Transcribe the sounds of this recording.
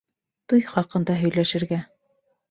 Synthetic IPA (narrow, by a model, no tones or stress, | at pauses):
t̪ujχɑqɤ̆nd̪ɑɦɵ̆jlæʃɘ̆ɾɡæ